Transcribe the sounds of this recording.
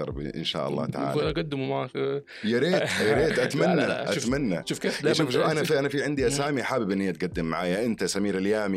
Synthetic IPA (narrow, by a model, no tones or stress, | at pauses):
ɑ̰ɾˤbḭʔɪ̰nʃa̰ːʔɑ̰lˤːɑ̰ːt̪a̰ʕa̰lunaɡad̪ːɪmuma | jaɾeːjaɾeːt̪ʔat̪manːaʔamanːaʃuːfkeʃuːfʃuːfʔanafiʔanafiʕɪnd̪iʔasaːmiħaːbɪbʔɪnːiʔat̪̚ɡad̪ːɪmːaʕaːjaʔɪnt̪asamiːɾɪljaːmi